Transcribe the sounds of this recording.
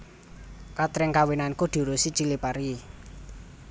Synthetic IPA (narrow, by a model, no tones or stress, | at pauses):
kat̪ɾɪŋkawinankud̪̥ṳɾusit͡ʃilipaɾi